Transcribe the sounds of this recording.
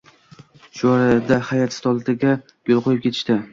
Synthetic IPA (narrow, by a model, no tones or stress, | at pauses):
ʃʊɒɾad̪ahajat̪st̪ʰɒlˠt̪ʰɪɡʲa | ɡ̥olˠqʰojɪpkʰʲe̞t̪ʰɪ̥ʃt̪ɪ